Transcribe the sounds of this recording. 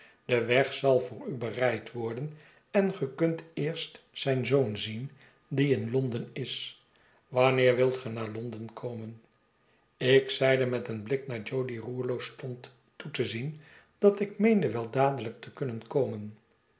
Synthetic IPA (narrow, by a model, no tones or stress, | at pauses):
d̥əʋɛχsɑlˠvʊːrybərɛjtʋɔɹdən | ɛnχəkɵntɪːɹstsɛjnzownzin | diɪnlɔndənɪs | ʋɑnɪːɹʋɪlˠtχənaːɹlɔndənkʰowmən | ɪksɛjdəmɛtənblɪknaːɹd͡ʒowdiruːɹlowstɔntː | utəzin | d̥ɑtɪkmejndəʋɛlˠdaːdələk̚təkɵnənkowmən